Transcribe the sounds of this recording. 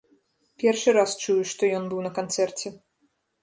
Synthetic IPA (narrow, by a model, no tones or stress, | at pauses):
pʲɛrʂɨɾast͡ʂujɛʂt̪ɔjɔnbɨwnɐkant̪sɛrt͡sʲɛ